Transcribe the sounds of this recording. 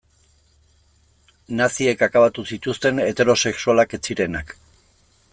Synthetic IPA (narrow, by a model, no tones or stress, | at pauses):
nasie̞kakaβat̪usit̪ust̪e̞ne̞t̪e̞ɾo̞se̞ksualake̞t͡siɾe̞nak